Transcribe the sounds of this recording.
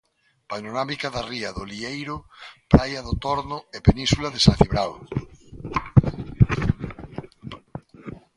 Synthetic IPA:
panoɾamikaðariaðoliejɾʊpɾajaðot̪ɔɾnʊepenĩnsulaðesaθiβɾaw

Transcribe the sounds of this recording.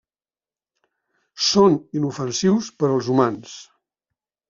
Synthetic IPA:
soninufənsiwspəɾəlˠzumans

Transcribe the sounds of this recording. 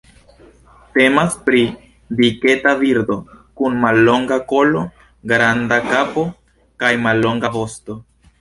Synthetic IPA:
te̞maspɾi | dike̞taviɾdo̞kunmalːo̞ŋɡako̞lo̞ | ɡɾandakapo̞ | kajmalːo̞ŋɡavo̞sto̞

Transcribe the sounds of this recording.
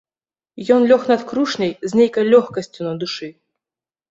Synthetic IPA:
jɔnlʲɔxnɐt̪kɾuʂnʲɐjzʲnʲejkɐjlʲɔxkɐsʲt͡sʲunɐd̪uʂɨ

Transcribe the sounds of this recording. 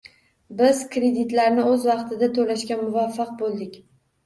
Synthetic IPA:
bɪzkɾe̞d̪ɪt̪laɾnɪɵzvɑqt̪ʰɪd̪at̪ʰolaʃkʲanmʊvafːɑq̚bolˠd̪ɪkʲ

